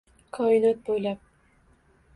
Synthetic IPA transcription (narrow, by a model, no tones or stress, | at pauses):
kʰɒɪnɒt̪̚bojlap̚